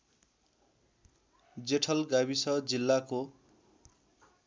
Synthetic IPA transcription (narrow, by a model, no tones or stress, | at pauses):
d͡zeʈʰʌlɡaβisʌd͡zilːako